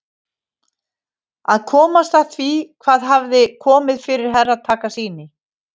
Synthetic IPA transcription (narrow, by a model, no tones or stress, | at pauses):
aðkʰɔːmast̪aθvikʰvaːðɦavðɪkʰɔːmɪðfɪɾɪɾ̥ɦɛrːaðt̪ʰaːkasiːnɪ